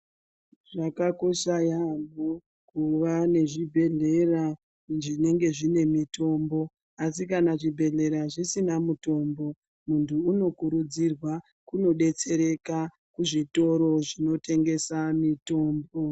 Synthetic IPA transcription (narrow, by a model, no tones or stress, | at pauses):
ʐakako̞ʃajamo | kuʋane̞ʐibʱe̞ɮe̞ra | ʐine̞ŋɡe̞ʐine̞mito̞mbo̞ | asikanaʐibʱe̞ɮe̞ɾaʐisinamuto̞mbo̞ | muntʰuːno̞kuɾud͡zirwa | kuno̞ɗe̞t͡se̞ɾe̞ka | kuʐito̞ɾo̞ʐino̞te̞ŋɡe̞samito̞ːmbo